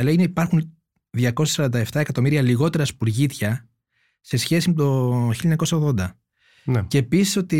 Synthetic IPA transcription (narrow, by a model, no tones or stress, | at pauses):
ɐleineipɐɾxun | ðʝɐko̞sesɐɾɐnd̪ɐeft̪ɐekɐt̪o̞miɾiɐliɣo̞t̪e̞ɾɐspuɾʝit̪çɐ | se̞sçe̞simet̪o̞çiliɐeɲɐko̞sɐoɣðo̞nd̪ɐ | nceːpisi̥so̞t̪i